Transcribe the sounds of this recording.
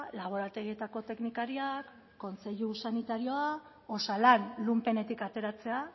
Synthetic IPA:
laβ̞o̞ɾat̪e̞ɣie̞t̪ako̞t̪e̞knikaɾiakː | o̞nt͡se̞ʎusanit̪aɾio̞a | o̞salanlumpe̞ne̞t̪ikat̪e̞ɾat͡se̞a

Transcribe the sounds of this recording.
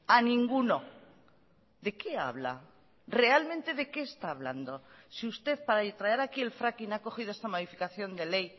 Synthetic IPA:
anĩŋɡuno̞ | ðe̞ke̞a̰βla̰ | re̞almẽnt̪e̞ðe̞ke̞ːst̪aːβ̞la̰nd̪o̞siust̪e̞ðpaɾaet̪ɾaeɾakie̞lfɾakinako̞xiðoest̪amoðifikaθjo̞nd̪e̞le̞j

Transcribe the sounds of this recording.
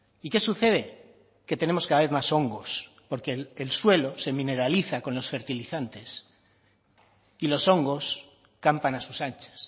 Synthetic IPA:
ike̞suθe̞ðe̞ | ke̞t̪ene̞mo̞skaðaβe̞θmaso̞ŋɡo̞spo̞ɾke̞lelswe̞lo̞se̞mĩne̞ɾaliθako̞nlo̞sfe̞ɾt̪iliθant̪e̞s | ilo̞so̞ŋɡo̞s | kampanasusant͡ʃe̥s

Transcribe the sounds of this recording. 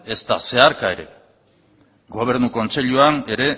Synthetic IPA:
e̞st̪a̰se̞aɾkae̞ɾe̞̰ | ɡo̞β̞e̞ɾnuko̞nt͡se̞ʎuane̞ɾe̞

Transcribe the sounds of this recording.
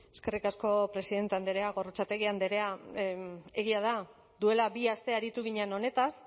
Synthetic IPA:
e̞ske̞rikasko̞pɾe̞siðe̞nt̪e̞and̪eɾe̞aɣo̞rot͡sat̪e̞ɣiand̪eɾe̞a | e̞ɣiað̞a | d̪ue̞labiast̪e̞aɾit̪uɣiɲeno̞ne̞t̪as

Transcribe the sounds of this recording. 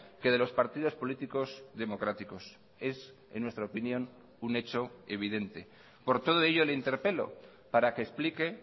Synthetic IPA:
ke̞ð̞e̞lo̞spaɾt̪ið̞o̞spo̞lit̪iko̞sðe̞mo̞kɾat̪iko̞s | e̞s | ḛnːwest̪ɾaopinjõ̞n | une̞t͡ʃo̞eβ̞iðe̞nt̪e̞ | po̞ɾt̪o̞ð̞o̞eʝo̞leint̪e̞ɾpe̞lo̞̰ | paɾake̞ːsplike̞

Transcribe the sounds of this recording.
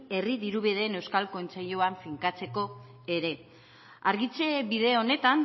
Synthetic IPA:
e̞riðiɾuβeð̞e̞ːne̞wskalko̞nt͡seʎoaɱfiŋkat͡se̞ko̞ | e̞ɾe̞ | aɾɣit͡se̞βiðe̞o̞ne̞t̪an

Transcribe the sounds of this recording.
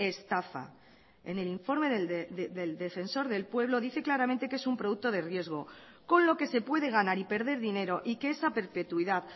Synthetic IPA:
e̞st̪afa̰ | e̞̰ne̞liɱfo̞ɾme̞ðeðed̪e̞ld̪e̞fe̞nso̞ɾðe̞lpwe̞β̞lo̞ðiθe̞klaɾamẽ̞nt̪e̞ke̞sumpɾo̞ðuk̚t̪o̞ð̞e̞rje̞zɣ̞o̞ | ko̞nlo̞ke̞se̞pwe̞ðe̞ɣ̞anaɾipe̞ɾðe̞ɾðine̞ɾo̞ʔike̞esape̞ɾpe̞t̪wiðað

